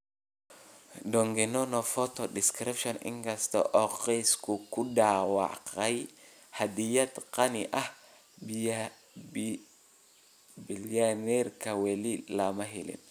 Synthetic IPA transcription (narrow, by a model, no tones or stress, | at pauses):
dɔŋɡɛnɔnɔfɔt̪ɔdɪskɾɪpʃɔnɪ̰ŋkɐst̪ɐ̰ʔɔqiskʰukʊdaːwɑ̰ʕqɐj | hɐd̪ijɐd̪qɐnɪʔɐh | b | bilanɛrkʰɐwɛlilɐmɐɦɪlɪ̰n